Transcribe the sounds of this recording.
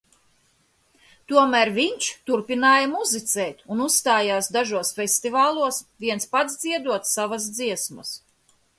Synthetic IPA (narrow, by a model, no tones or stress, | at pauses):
t̪uɔmæːɾviɲt͡ʃt̪uɾpinaːjamuzit̪sɛːt̪unusst̪aːjaːsd̪aʒuɔsfʲɛsʲt̪ivaːlˠuɔsviɛnspad̪zd̪ziɛd̪uɔt̪savas̬d̪ziɛsmɐ̰s